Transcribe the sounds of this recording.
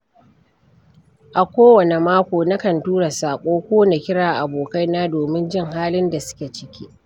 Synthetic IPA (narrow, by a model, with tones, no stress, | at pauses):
ʔa˨kʷoː˦wɐ˨ne˨maː˦kʷoː˨na˦kɐ˨ntuː˦ɽa˨saː˨kʷʼoː˦kʷoː˦na˨kʲɪ˦ɽaː˨ʔa˨boː˨ka˦jnaː˦doː˨mɪ˦nd͡ʒɪ˦˨ŋɦaː˦lɪ˦nda˨sʊ̥˦kʲe˨t͡ʃɪ˦kʲiː˦